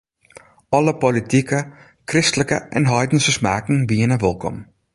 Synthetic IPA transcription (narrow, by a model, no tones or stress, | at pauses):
ɔləpolitikə | krɪstələkə̰ʔɛ̰nɦɔjdənsəsmaːkŋ̩ʋiənəʋɪlˠkɔ̰m